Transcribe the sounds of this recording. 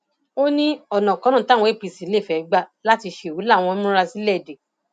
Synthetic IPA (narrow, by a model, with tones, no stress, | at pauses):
o˦nĩ˦ɔ˨nã˨kɔ̃˨˦ɾ̃ɔ̃˦˨ta˦˨wɔ̃˨˦i˦˨pi˨˧˨si˨˦le˦˨fɛ˨˦ɡ͡ba˦˨la˦ti˧ʃe˧˨wu˨˦la˦˨w̃ɔ̃˧˦mũ˦ɾa˧si˦lɛ˦˨de˨